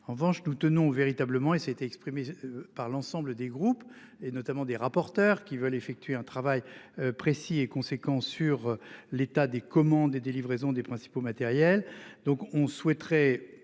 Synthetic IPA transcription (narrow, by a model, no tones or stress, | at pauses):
ɑ̃ʁəvɑ̃ʃnut̪ənɔ̃veʁit̪abləmɑ̃esaet̪eɛkspχimepaʁlɑ̃sɑ̃bləd̪eɡʁup | enɔt̪amɑ̃d̪eʁapɔʁt̪œːʁkʲivœlefɛk̚t̪ɥeɛ̃t̪χavajpχesiekɔ̃sekɑ̃syʁlet̪ad̪ekɔmɑ̃d̪ed̪elivʁezɔ̃d̪epχɛ̃si̥pomat̪ɛʁjɛld̪ɔ̃kɔ̃swɛt̪χɛ